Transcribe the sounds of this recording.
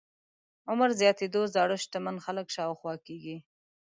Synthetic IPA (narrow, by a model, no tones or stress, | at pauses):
ʊmaɾzjɑt̪ed̪ozɑɽʊʃt̪amanxaləkʃɑwxwɑkeɡi